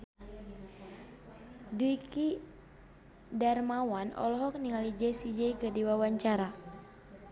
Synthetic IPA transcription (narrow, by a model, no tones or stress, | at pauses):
duiki | dɛrmawanɔ̰lɔɦɔk̚niŋalid͡ʒɛsid͡ʒɛikədiwawaɲt͡ʃaɾa